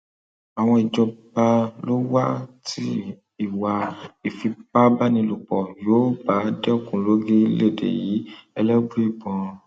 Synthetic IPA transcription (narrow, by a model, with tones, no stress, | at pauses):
a˨w̃ɔ̃˧i˨d͡ʒɔ˧ba˧lo˦wa˦tʰi˦ | i˨wa˧i˨fi˧ba˦ba˦nĩ˧lu˨k͡pɔ˨jo˨˦ba˨˦dɛ˦kũ˨lo˨˦ɡe˦le˦˨dḛ˨ji˨˦ɛ˧lɛ˦bɾi˦˨bɔ̃˨˧